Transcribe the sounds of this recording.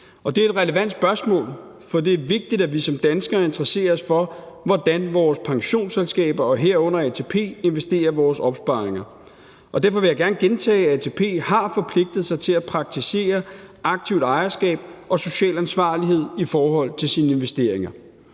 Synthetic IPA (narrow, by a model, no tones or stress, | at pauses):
ɒ̽d̥e̝ɐe̝d̥ʁɛləʋæn̰d̥sb̥ɶɐsmɔ̰̽ːl | fɒd̥e̝æɐʋe̝ɡ̥̚d̥id̥æʋisɒ̽md̥ænsɡ̥ɐːe̝nd̥ʁɐse̝̰ːɐsfɒ̽ | ʋɒd̥ænʋɒːspʰɑ̈ŋɕo̝̰ːnselsɡ̥ɛ̰ːb̥ɐɒ̽ɦeɐ̰ɔ̽n̰ɐɛt͡sʰepʰe̝̰ːe̝nʋesd̥e̝̰ːɐʋɒːsɒ̽b̥sb̥ɑ̈ːeŋɐ | ɒ̽d̥æɐfɒ̽ʋe̝jäɡ̥æɐnəɡ̥ent͡sʰɛ̰ːæt͡sʰe̝pʰe̝̰ːhɑ̈fɒ̽pʰle̝ɡ̥̚d̥ð̩ˠsɑ̈ɪt͡sʰe̝læpʰʁɑ̈ɡ̥̚t͡sʰise̝̰ːɐɑ̈ɡ̥̚t͡sʰiʊd̥ɑ̈ɪɐsɡ̥ɛ̰ːb̥ɒ̽so̝ɕɛ̰ːlænsʋɑ̰̈ːliɦe̝ð̞̰ˠifɒːɦɒ̽l̰t͡sʰe̝lsiːnəe̝nʋesd̥e̝ɐ̰eŋɐ